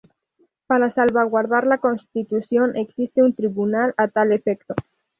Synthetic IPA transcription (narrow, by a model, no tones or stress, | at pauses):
paɾasalβaɣwaɾðaɾlakonst̪it̪usjonʔeksist̪eunt̪ɾiβunalat̪alefɛkt̪o